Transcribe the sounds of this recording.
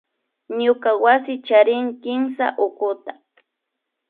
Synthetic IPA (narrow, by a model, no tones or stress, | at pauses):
ɲʊkawasɪt͡ʃaɾɪŋkɪmsa̰ʔʊkʊt̪ḁ